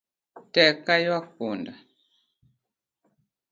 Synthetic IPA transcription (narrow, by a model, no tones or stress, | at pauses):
tɛkajwak̚onda